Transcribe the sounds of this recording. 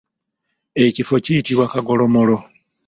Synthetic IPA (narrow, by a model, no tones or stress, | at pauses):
e̞cifo̞cijitiβwakaɡo̞lo̞molo̞